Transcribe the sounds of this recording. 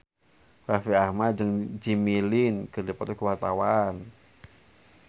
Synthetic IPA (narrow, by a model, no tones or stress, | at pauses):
rafiahmat̪̚d͡ʒəŋd͡ʒimilinkərdipat̪ukəwart̪awan